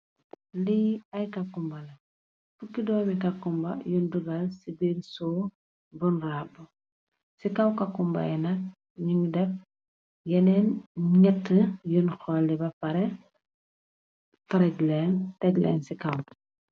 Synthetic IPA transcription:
liɐjkakːumbɐlɐ | fukːidɔːmikakːumbɐ̰junduɡɐlsibiɾsɔː | bunraːbu | sikawkakːumbɐ̰jɛnɐk | ɲiŋdɛf̚ | jɛnɛnɲɛtːəjunxɔlːibɐpɐɾɛ | fɐɾɛɡlɛːntɛɡlɛ̰ːnsikaw

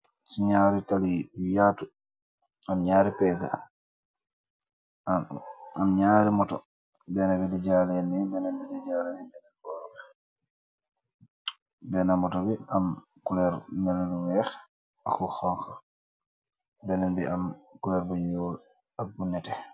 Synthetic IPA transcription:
siɲaːɾitalijaːtu | amɲaːɾipɛɡa̰ | amɲaːɾimɔtɔ̰ | bɛnabidɛd͡ʒalɛnɛbɛnɛnbidɛd͡ʒaːlɛɛbɛnɛnkɛɾbɛ | bɛnamɔtɔbiam | kulɛɾmɛlɛluwɛx | akuxɔŋxa | bɛnɛnbḭʔamkulɛɾbɛɲoːl | abunːɛtɛ

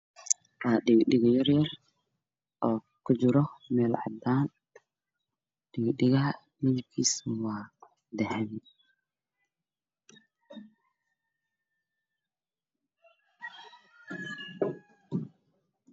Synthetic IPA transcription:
waːɗɪɡɗɪɣjɐrjɐr | ʔɔː | kʰʊd͡ʒɪɾɔmɛːlʕɑ̰d̪aːn | ɗɪɣɗɪɣɐ | mɪðɪb̚kʰiswaː | d̪ɛhɛm

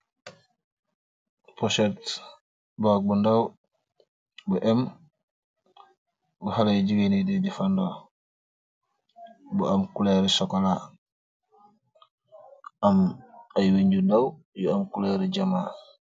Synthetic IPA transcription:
pɔsɛt | bak̚bundaw | buʔɛm | buhalajɟiɡenididifandɔː | buɐmkulɛɾisɔkɔla | ʔɐmɐjwiɲɟundaw | juɐmkulɛɾiɟɐma

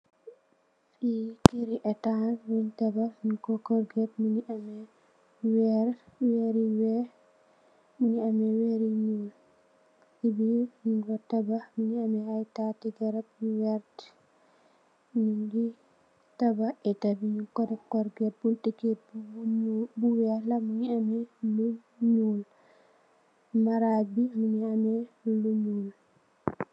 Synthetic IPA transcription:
fikeɾiʔɛtanwintabamikɔkɔɾɡɛtminiʔamɛ | wɛɾweɾiwɛ | miniamɛweɾiɲul | sibiniŋɡɔtabaminiamɛhajtatiɡɛɾab̚wɛɾt | niŋɡi | tabaɛtabiɲikɔdɛkɔɾɡɛɾ̚bultiɡɛ | buwɛlamuɲiamɛlu | ɲul | maɾabimuɲiamɛluɲul

